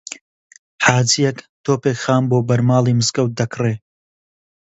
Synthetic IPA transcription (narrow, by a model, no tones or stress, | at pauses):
ħaːzijɐk | t̪ʰoːpekxaːmboːbɐɾmaːlˠimɨskɐw̪̚d̪ɐkʰreː